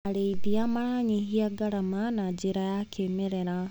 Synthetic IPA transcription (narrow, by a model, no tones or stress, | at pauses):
aɾeitiamaɾaɲiɦiaɡaɾamanad͡ʒiɾajakʰemɛɾɛɾa